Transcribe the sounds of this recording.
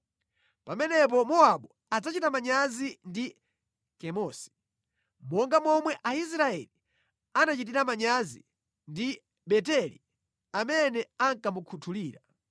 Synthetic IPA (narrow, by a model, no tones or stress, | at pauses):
pamɛnɛp̬ɔmɔaɓu | ad͡zat͡ʃitamaɲazindi | kɛmɔːsi̥ | mɔŋɡamɔmwɛʔais̬ɾaɛ̰li | anat͡ʃit̬iɾamaɲazi | ndi | ɓɛtɛlḭ | amɛnɛaŋkamukʰutʰuliːɾa